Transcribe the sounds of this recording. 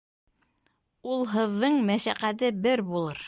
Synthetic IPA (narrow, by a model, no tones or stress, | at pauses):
ulˠɦɤ̆ðːɤɴmæʃæqæt̪̬ɘbɘɾbulˠɤɾ